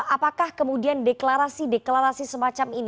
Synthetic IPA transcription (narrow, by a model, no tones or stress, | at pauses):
apakahkəmudiandeklaɾasideklaɾasisəmat͡ʃamin